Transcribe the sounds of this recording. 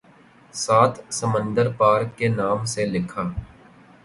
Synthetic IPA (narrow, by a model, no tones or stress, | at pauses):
saːt̪ʰsəmə̃nd̪əɾpaːɾkːenaːmselɪkʰaː